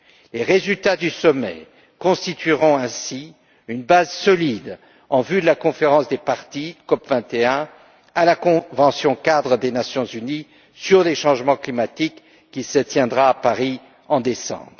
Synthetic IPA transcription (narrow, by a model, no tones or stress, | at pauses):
leʁezylt̪ad̪ysɔmɛ̰ | kɔ̃st̪it̪ɥiʁɔ̃ɛ̃si | ynbazsɔlid̪ | ɑ̃vyd̪əlakɔ̃feʁɑ̃sd̪epaʁt̪ikɔpvɛ̃t̪eɛ̃ | alakɔ̃vɑ̃sjɔ̃kad̪ʁəd̪enasjɔ̃zyni | syʁleʃɑ̃ʒmɑ̃klimat̪ikː | isət̪jɛ̃d̪ʁaːpaʁi | ɑ̃d̪esɑ̰̃bʁ